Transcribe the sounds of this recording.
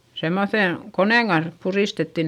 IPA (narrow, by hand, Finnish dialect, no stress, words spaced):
semːoθen koneˑŋ ɡ̊ɑns puriˑstetːi